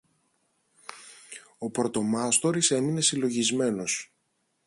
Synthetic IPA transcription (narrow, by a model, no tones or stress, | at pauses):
o̞pɾo̞t̪o̞mɐst̪o̞ɾise̞mine̞silo̞ʝizme̞no̞s